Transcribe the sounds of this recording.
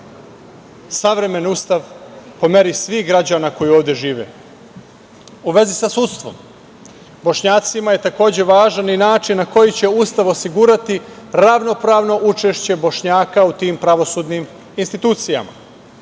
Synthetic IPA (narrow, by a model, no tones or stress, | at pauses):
saʋɾe̞me̞nust̪aʋpo̞me̞ɾisʋiːɦɡɾad͡ʑanako̞jioːʋd̪je̞ʒiːʋḛ | uʋe̞zisasut̪st̪ʋo̞̰m | bo̞ʃɲaːt̪simaje̞t̪ako̞ːd͡ʑe̞ʋaːʒaninaːt͡ʃinːako̞jit͡ɕe̞ust̪aʋo̞siɡuːɾat̪iɾaʋno̞pɾaːʋno̞ʔut͡ʃe̞ʃt͡ɕe̞bo̞ʃɲaːkaut̪iːmpɾaʋo̞suːd̪nim | inst̪it̪uːt̪sija̰ma̰